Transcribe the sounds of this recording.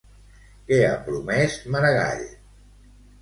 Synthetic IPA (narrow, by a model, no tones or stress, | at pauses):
kea̰pɾumɛsməɾəɣa̰ʎ